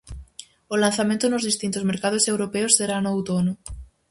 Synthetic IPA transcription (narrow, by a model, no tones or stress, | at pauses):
olanθamẽnt̪ʊnozðist̪int̪ozmeɾkað̞osewɾopeosːeɾanoawt̪onʊ